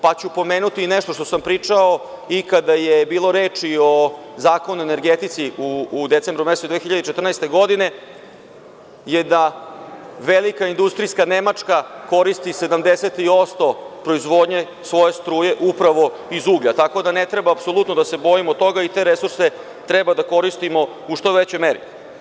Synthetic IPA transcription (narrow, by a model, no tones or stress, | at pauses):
pat͡ɕupo̞meːnut̪ineʂt̪oʃt̪o̞sampɾiːt͡ʂao | ikad̪ajebiːlˠo̞ɾe̞ːt͡ʂio̞ | zaːko̞nuene̞ɾɡet̪it̪siuːd̪et̪se̞mbɾumest̪od̪vexçiʎad̪et͡ʃet̪rnɛjst̪e̞ɡo̞d̪ine̞ | jed̪a | ʋelikaind̪ust̪ɾijskanemat͡ʂkako̞ɾist̪ise̞d̪amd̪ese̞t̪io̞st̪o̞ | pɾo̞izʋo̞ːd̪ɲe | sʋo̞je̞st̪ɾuːje̞ʔupɾaʋo̞ | izuɡʎat̪ako̞d̪anet̪ɾe̞baːpso̞lˠut̪nod̪ase̞bo̞imot̪ːo̞ɡait̪e̞ːɾesuɾse | t̪ɾebad̪ako̞ɾist̪imo̞ | uʂt̪o̞ʋet͡ɕo̞jmeɾḭ